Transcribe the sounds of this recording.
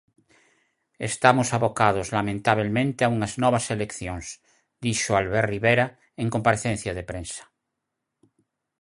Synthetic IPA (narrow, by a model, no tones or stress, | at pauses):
ḛst̪amosaβokað̞ozlamẽnt̪aβ̞elmẽnt̪eauŋaznɔβaselekθjõŋs | d̪iʃoalβeɾriβeɾa | eŋkompaɾeθen̟θjaðepɾẽnsḁ